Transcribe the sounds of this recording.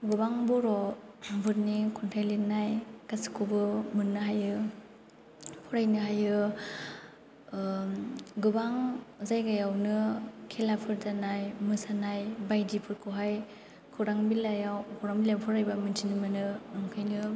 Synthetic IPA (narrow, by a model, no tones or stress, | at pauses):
ɡɯbaŋbɔɾɔbɯɾnikʰɔntʰajlinajkasi̥kʰubɯmɯnɯɦajɯ | pʰɔɾajnɯɦajɯ | ɡɯbaŋzajɡajawnɯkʰelapʰɯɾdanajmɯsanajbajdipʰɯɾkʰɯɦaj | kʰuɾaŋbilajawkʰuɾaŋbilawpʰɔɾajbamɯntʰinɯmɯnɯnɔŋkʰajnɯ